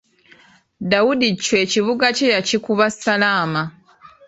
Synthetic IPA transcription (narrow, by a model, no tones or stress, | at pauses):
dawudicːwe̞ːciβuɡacejacikuβasalaːma